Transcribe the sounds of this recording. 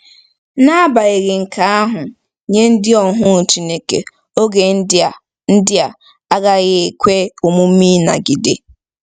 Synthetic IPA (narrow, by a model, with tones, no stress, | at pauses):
na˦ba˨e˨ɣɪ˨ŋ̩˨ka˨a˦ɦʊ˨ | ɲe˦n̩˦dɪ˦ɔ˨ɦʊ˦˨t͡ʃi˦ne˨kḛ˨ | o˦ɡe˨ | n̩˦dɪ˦a˨ | a˦ɡa˦ɣɪ˦e˨kʷe˦o˨mʊ˦mi˦na̰˨ɡi˨dɪ˨